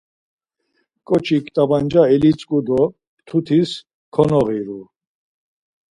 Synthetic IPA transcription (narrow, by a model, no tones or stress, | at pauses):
kʼɔt͡ʃʰikʰʼt̪ʼaband͡ʒaɛlit͡sʼkʼud̪ɔ | t̪ʰut̪ʰis | kʰɔnɔʁiɾu